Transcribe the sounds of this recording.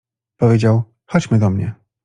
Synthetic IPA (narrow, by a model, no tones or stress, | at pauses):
pɔvʲed͡ʑaw | xɔt͡ɕmɘd̪ɔmɲɛ̰